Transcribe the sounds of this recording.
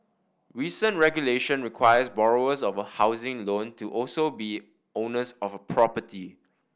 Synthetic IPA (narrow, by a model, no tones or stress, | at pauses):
ɹisə̃ntɹɛɡjuleʃə̃nɹikʰwajəsbɔɹoəsɔvəhaʊzɪ̃ŋlõntʰuʔɔlsobi | õnəsɔfəpʰɹɔpətʰi